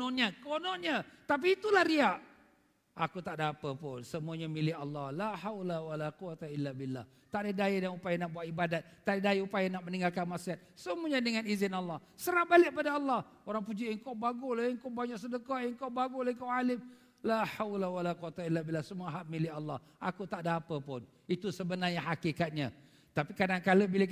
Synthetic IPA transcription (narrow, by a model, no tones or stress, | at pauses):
ɔnɲəkonɔnɲət̪ap̬iːt̪ulahɾiaʔ | ʔakut̪aʔdapəpʊnsəmuaɲamilɪhɑlːɑhlaħawlawalaquwat̪ailːabilːa̰h | t̪aʔdədajidaŋupajanaʔbuaʔibadat̪̚t̪ːaʔdədaiupajanaʔməniŋɡalkanmasiat̪̚səmuaɲadəŋanizɪnalːɑhsəɾahbalɪʔ̚padaɑlːɑh | oɾaŋpud͡ʒiʔəŋkawbaɡulaəŋkobaɲaʔsədəkaʔəŋkawbaɡulaŋkawalɪm | laħawlawalaquwat̪ailːabilːahsəmuaɦaʔ̚milɪɑlːɑh | ʔakut̪aʔdaapəpʊn | it̪usəbənarɲaɦakikat̪̚ɲã | t̪apikadaŋkaləbila